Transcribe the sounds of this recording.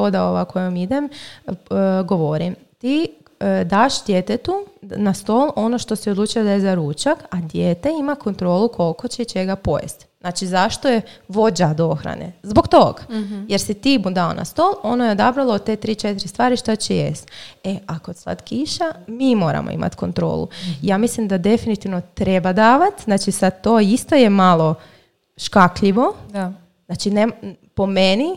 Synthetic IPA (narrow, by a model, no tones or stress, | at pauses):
od̪aoʋa̰kʰojomid̪em | ɡo̞ʋoɾim | t̪i | d̪aːʃd̪jeːt̪et̪unast̪o̞lˠo̞no̞ʃt̪o̞siod̪luːt͡ʃujad̪ajezaɾuːt͡ʃakad̪jeːt̪e̞imakʰo̞nt̪ɾo̞ːlukʰo̞lˠko̞t͡ɕeit͡ʃe̞ɡapo̞jḛst̪z̥naːt͡ʃizaʃt̪ojeʋo̞d͡ʑad̪oxɾa̰nḛzbo̞ɡt̪oɡje̞ɾsit̪imud̪ao̰na̰st̪oːlˠo̞nojeod̪abɾalˠot̪eːt̪ɾiːt͡ʃet̪iɾist̪ʋaːɾiʃt̪at͡ɕejḛst̪eakod̪slˠa̰t̪kiʃamimo̞ːɾa̰mʔo̰ḭma̰t̪ko̞̰nt̪ɾo̰ːlṵijaːmislimd̪ad̪e̞finit̪iʋno̞t̪ɾebad̪aːʋat̪znaːt͡ʃisad̪t̪oːist̪ojemalˠo̞ | ʃkakʎiʋo̞ | znaːt͡ʃinem | po̞meni